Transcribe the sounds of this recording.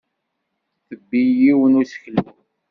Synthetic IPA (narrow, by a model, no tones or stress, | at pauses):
θəbːijiwənusə̥çəlu